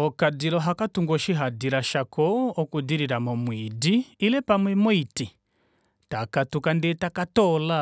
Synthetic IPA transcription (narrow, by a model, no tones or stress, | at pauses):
ɔkadilɔɦakatuŋɡɔʃiɦadiɾaʃakɔɔkudiɾiɾamɔmwidiːlɛpamwɛmɔiti | takatukandɛtakatɔla